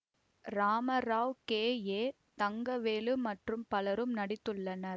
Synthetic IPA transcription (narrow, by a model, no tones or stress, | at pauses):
ɾaːmɐɾaːʋkeːjeː | t̪ɐŋɡɐʋeːlɯmɐʈrɯmpɐlɐɾɯmnɐɽɪt̪ːɯɭːɐnɐɾ